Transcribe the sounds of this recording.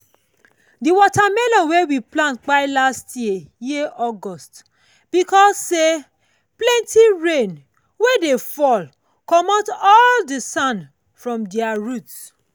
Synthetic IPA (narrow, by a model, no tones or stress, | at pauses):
diwɔtamelɔ̃nwewiplãntk͡paɪlastjijeʔɔɡɔst | b̥ikɔsːe | plɛ̃ntiɹẽn | wedefɔl | kɔmɔtɔldisãn | fɹɔ̃mdiaɹut